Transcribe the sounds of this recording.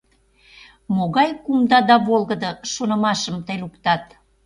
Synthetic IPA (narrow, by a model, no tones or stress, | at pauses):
moɣɑjkumd̪ɑd̪ɑβolˠɣəd̪ɤʃonə̆mɑʃəmt̪əjlukt̪ɑt̪